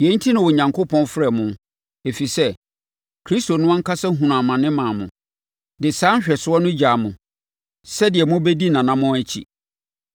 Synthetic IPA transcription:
jɛ˨˦n̩˦tʰi˦nʊ̃˨wɔ˨ɲã˨ŋkʰo˦pʰɔ̃˦nfɾɛ˨mʊ̃˦ | e˨fi˨sɛ˦ | kʰɾi˦sto˨nʊ̃˦ɔ˦ŋ̩˦kʰa˦sɛ˦ɦũ˨n˨a˨mã˨nɪ̃˦mãː˨mʊ̃˨ | dɪ˨sãː˦ɕᶣɛ˨sʊ˦ɔ˦nʊ̃˦d͡ʑa˨mʊ̃˨ | sɛ˦dɪ˨ɛ˨mʊ̃˦bɛ˦di˦nã˨nã˨mʊ̃˦æ˦t͡ɕʰḭ˨

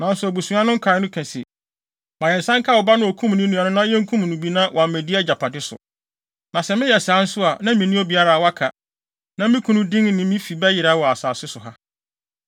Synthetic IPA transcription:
nã˨n̩˦sʊ˨æ˨bu˨sũ˨˦ã˦nʊ̃˦ŋ̩˦kʰa˨˦nʊ̃˦kʰæ̃˨sḭ˨ | mã˨jɛ̃˨n̩˨sã˦ŋ˦kʰa˦˨wɔ˨ba˦nʊ̃˦o˨kʰũ˦m˨nɪ̃˦nũ˨˦ã˨nʊ̃˦nã˦jɛ̃˦ŋ̩˦kʰũ˦m˨nũ˨bi˦nã˦wʔa˨mɛ̃˨di˦ɛ˦d͡ʑa˨pʰa˨dɪ˦sʊ̰˨ | nã˨sɛ˨mɪ̃˦jɛ˨sãː˨˦n̩˦sʊ˦a˨nã˦mĩ˨nĩ˦o˦bi˨a˦ɾa˨wa˦kʰa˨ | nã˨mɪ̃˦kʰũ˨nʊ̃˦dɪ̃˦ŋnɪ̃˨mĩ˦fi˨bɛ˦jɪ˨ɾa˦wɔ˨a˨saː˨sɪ˦sʊ˨ɦa˦

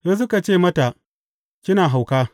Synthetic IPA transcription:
jɐ˦s̬ʊ˦ka˨t͡ʃeː˦˨mɐ˦ta˨ | kʲɪ˦naː˨ɦa˨wkaː˦

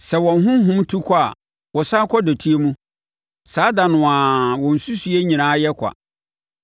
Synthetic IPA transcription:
sɛ˨wɔ̃˨nɦʊ̃˦ɦʊ̃˦mtʰu˦kʰɔ˦a̰˨ | wɔ˨saː˦kʰɔ˦dɔ˨tʰi˦e˦mũ˦ | saː˨˦dã˨nʊ̃˨a˨wɔ̃˨n̩˨su˦su˨˦e˦ɲĩ˨ñãː˨˦jɛ˦kʷʰa̰˨

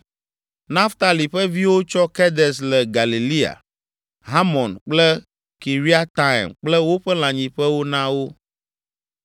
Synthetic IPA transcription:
nã˦ft̪a˨li˨ɸɛ˦vi˦wo˦t͡ʃɔ˦kɛ˦d̪ɛ˨slɛ˨ɡa˨li˨li˦a̰˨ | ɦa˦mɔ̃˨nk͡plɛ˦ | ki˨ɾi˦a˦t̪a̰˦˨mk͡plɛ˦wo˦ɸɛ˦l̃ã˨ɲĩ˨ɸɛ˦wo˦nã˦wo˦

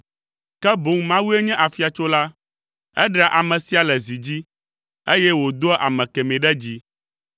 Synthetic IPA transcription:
kɛ˦bo˨ŋmã˦wu˦e˦ɲɛ̃˦ʔa˨fi˨a˨t͡ʃo˦la˦ | ɛ̰˦ɖɛ˨ʔa˨mɛ̃˨si˦a˨lɛ˨zi˨d͡ʑi˦ | e˦jɛ˦wo˨d̪o˦ʔa̰˨mɛ̃˨kɛ˨mẽ˨ɖɛ˦d͡ʑi˦

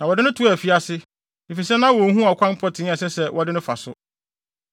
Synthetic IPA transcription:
nã˨wɔ˨dɪ˦nʊ̃˦tʰu˨˦a˨fi˦a˨sɪ˦ | di˨fi˨sɛ˦nã˦wɔ̃˨˦ɦũ˦a˨kʷʰã˦m˦pʰɔ˦tʰɪ̃˨˦ɛ˨sɛ˦sɛ˦wɔ˨dɪ˦nʊ̃˦fa̰˨sʊ˦

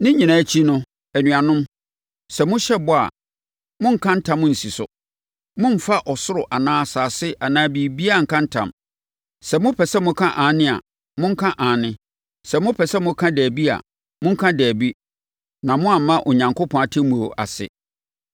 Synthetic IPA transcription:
nɪ̃˦ɲĩ˨nã˨˦t͡ɕʰi˦nʊ̃˦ | æ˨nũ˨a˨nʊ̃˦m | sɛ˨mʊ̃˦ɕɛ˦bɔ˦a̰˨ | mʊ̃˦ŋ̩˦˨kʰã˦n̩˦tʰã˦mːʊ̃˦n̩˨si˨sʊ˨ | mʊ̃˦m̩˨fa˦ʔɔ˨sʊ˦ɾʊ˨ʔa˨nãː˦a˨saː˨sɪ˦ʔa˨nãː˦bi˦bi˦a˦˨ŋ̩˨kʰã˦n̩˦tʰã̰˨m | sɛ˨mʊ̃˦pʰɛ˨sɛ˦mʊ̃˦kʰã˦ʔãː˨˦nɪ̃˦a̰˨ | mʊ̃˦ŋ̩˦kʰã˦ʔãː˨nɪ̃˦ | sɛ˨mʊ̃˦pʰɛ˨sɛ˦mʊ̃˦kʰã˦dæː˨bi˦a̰˨ | mʊ̃˦ŋ̩˦kʰã˦dæː˨bi˦ | nã˨mʊ̃˦a˨˦mã˦ʔʊ˨ɲã˨ŋkʰo˦pʰɔ̃˨a˨tʰɪ˦mũ˨o˨ʔa̰˨sɪ̰˨

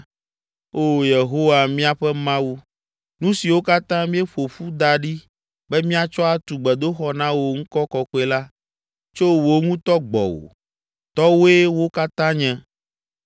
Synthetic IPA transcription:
o˦je˨ɦo˦wa˨mĩ˦a˨ɸɛ˦mã˦wu˦ | nũ˦si˨wo˦ka˦t̪ã˦mĩ˦ɛ˦ɸo˨ɸu˦d̪a˨ɖi˦ | bɛ˦mĩ˦a˨t͡ʃɔ˦a˦t̪u˨ɡ͡bɛ˨d̪o˦xɔ˦nã˦wo˨ŋ̩˦kɔ˦kɔ˨kɔ˦e˦la˦ | t͡ʃo˦wo˦ŋũ˦t̪ɔ˦ɡ͡bɔ̰˨wo̰˨ | t̪ɔ˦wo˦e˦wo˦ka˦t̪ã˦ɲɛ̃˨

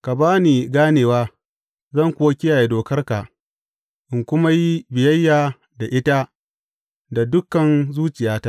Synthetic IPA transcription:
ka˨baː˦niː˨ɡaː˦neː˨waː˦ | zɐ˦˨ŋkʷʊ˦wa˦kʲɪ˦jaː˨je˦doː˨kɐ˦rka˨ | ʔɪ˨ŋkʷʊ˦ma˦ji˦bɪ˨jɐ˦jːaː˨ | da˨ʔɪ˦ta˦ | da˨dʊ˦kːɐ˨nzuː˦t͡ʃɪ˨jaː˦ta˦

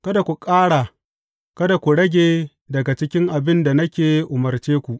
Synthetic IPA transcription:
kɐ˦da˨kʷu˨kʼaː˦ɽa˨ | kɐ˦da˨kʷu˨ɽɐ˦ɡʲeː˨ | dɐ˨ɡa˨t͡ʃɪ˦kʲɪ˦ŋʔa˨bɪ˦nda˨nɐ˦kʲeː˨˦ʔʊ˨mɐ˨rt͡ʃeː˦kʷu˨ʔ

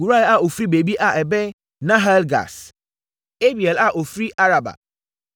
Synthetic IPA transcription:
u˨ɾa˦ɛ˦˨a˦o˨fɾi˦be˨bi˦ʔa˦ʔɛ˨bɛ˦ | nã˦ɦa˦lɡa̰˨s | e˦bi˨e˨la˦ʔo˨fɾi˦ʔa˦ɾa˨ba̰˨

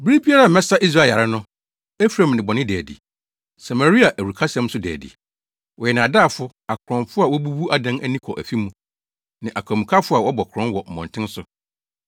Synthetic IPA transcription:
bi˦ɾi˦bi˦a˦ɾa˦˨mɛ̃˦sa˦ʔi˦s̬ɾaː˦˨a˨ɾɪ˦nʊ̃˦ | ɛ˦fɾã˨mnɪ̃˨bɔ˨nɪ̃˦dæː˨dḭ˨ | sa˨mæ˨ɾi˦a˨ʔæ˨u˨kʰa˦sɛ̃˦m˦sʊ˦dæ̰ː˨dḭ˨ | wɔ˨jɛ˨nã˨a˨daː˦˨fʊ˦ | a˨kʰɾɔ̃˨nfʊ˦a˨wɔ˦bu˦bu˦ʔa˦dã˦næ˦nĩ˦kʰɔ˨ʔæ̰˨fi˦mũ˦ | nã˨ʔa˨kʰa˨mũ˨kʰa˦fʊ˦a˨wɔ˦bɔ˨kʰɾɔ̃˦nwɔ˨m̩˨mɔ̰̃˨n˨tʰɪ̃˦n˦sʊ˨

